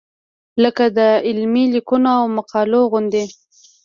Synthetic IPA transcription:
ləkad̪əɪlmilikunoawmaqɑloɣʊnd̪e

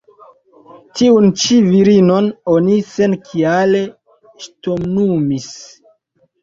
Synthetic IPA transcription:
tiunt͡ʃiviɾino̞no̞nise̞nkʰiale̞ | ʃtomnumis

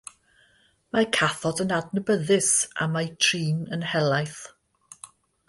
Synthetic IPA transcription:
makʰaθɔdənadnəbəðɪsa̰majtʰriːnənhɛlˠajθ

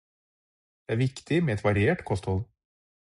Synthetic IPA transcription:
d̪̥ɛæːɾʋɪkt̪ɪmeːɛt̪ʋɑɾɪeːʈkʰɔst̪hɔl

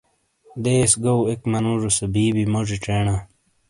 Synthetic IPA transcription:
d̪eːsɡowekmɐnuʐusebiːbimoʐiʈ͡ʂeːɳã

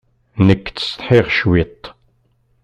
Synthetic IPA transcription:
nəkːt͡sːst̪ˤħɪʁʃwit̪ˤː

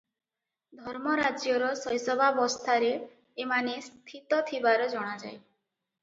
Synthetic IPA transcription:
d̪ʱɔɾmɔɾad͡ʒjɔɾɔsɔjsɔbʱabɔst̪ʰaɾeː | manest̪ʰit̪ɔt̪ʰibaɾɔd͡ʒɔɽ̃ad͡ʒa̰j

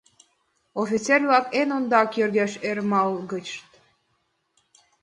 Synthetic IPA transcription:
ofʲit͡selʲβɑkenond̪ɑkjørɡæʃermɑlɡə̆t͡ɕt̪

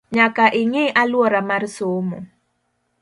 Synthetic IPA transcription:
ɲakaʔɪŋɪʔalwɔɾamarsomɔ̰

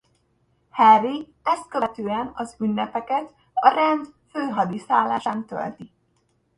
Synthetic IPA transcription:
hɛri | ɛst̪̚køʋɛt̪øːɛnɒzynːɛpɛkɛt̪ | ɒɾɛnd̪føːɦɒd̪isaːlːa̰ːʃaːnt̪ø̰lt̪i

